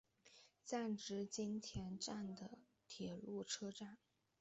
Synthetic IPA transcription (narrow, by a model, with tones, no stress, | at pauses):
t͡sa˥˩nʈ͡ʂɻ̩˧˥t͡ɕi˥nt̪ʰjɛ˧˥nʈ͡ʂa˥˩nd̪ə˩ | t̪ʰjɛ˨˩lu˥˩ʈ͡ʂʰɤ˥ʈ͡ʂa˥˩n